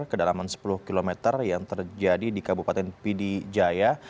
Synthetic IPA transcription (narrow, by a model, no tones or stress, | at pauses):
kədalamansə̥pulʊhkilomɛt̪ərjaŋt̪ərd͡ʒadidikabupat̪ɛnpidid͡ʒaja